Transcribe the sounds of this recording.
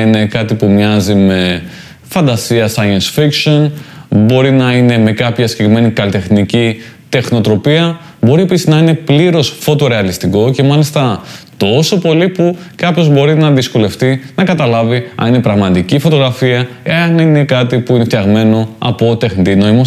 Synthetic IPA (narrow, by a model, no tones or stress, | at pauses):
ine̞kɐt̪ipumɲɐzime̞ | fɐnd̪ɐsiɐsɐjɐnsfikʃso̞nbo̞ɾinɐine̞me̞kɐpçɐscekɾime̞nikɐlit̪e̞xnicit̪e̞xno̞t̪ɾo̞piɐ | bo̞ɾie̞pisiznɐine̞pliɾo̞sfo̞t̪o̞ɾe̞ɐlist̪iko̞ce̞mɐlist̪ɐt̪o̞so̞po̞lipu | kɐpço̞zbo̞ɾinɐðisko̞le̞ft̪inɐkɐt̪ɐlɐviɐ̰nine̞pɾɐɣmɐt̪icifo̞t̪o̞ɣɾɐfiɐ | eɐnine̞kɐt̪ipuine̞ft̪çɐɣme̞no̞ɐ̰po̞t̪e̞xnit̪inoimo